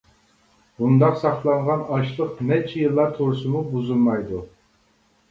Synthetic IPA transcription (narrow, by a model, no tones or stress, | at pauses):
bund̪ɑqsɑχlˠɑɴʁɑnɑʃlˠəqnɛt͡ʃʰijɨlˠːɑɾt̪ʰoɾsɨmubuzulˠmɑjd̪u